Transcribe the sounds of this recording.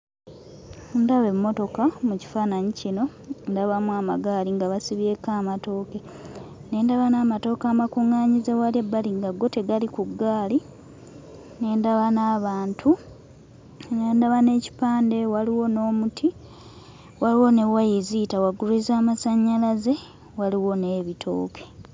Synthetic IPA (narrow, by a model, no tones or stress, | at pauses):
ndaβe̞mːo̞to̞kamuci̥faːnaɲicino̞ | ndaβamuaːmaɡaːliŋɡaβasiβje̞kaːmato̞ːke̞ | ne̞ːndaβanaːmato̞ːkaːmakuŋːaːɲizewaliebːaliŋɡaɡːo̞te̞ɡalikuɡːaːli | ne̞ːndaβanaːβaːntʰu | neːndaβane̞ːci̥paːnde̞waliwo̞no̞ːmutʰi | waliwo̞ne̞wajezitawaɡuɾezaːmasaɲːalaze̞ | waliwo̞neːβitʰo̞̰ːkʰe̥